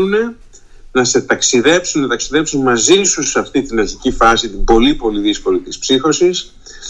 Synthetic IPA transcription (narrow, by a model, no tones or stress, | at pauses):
une̞ | nɐse̞t̪ɐksiðe̞psunnɐt̪ɐksiðe̞psunmɐzisusɐft̪it̪inɐçicifɐsit̪ibo̞lipo̞liðisko̞lit̪ispsixo̞sis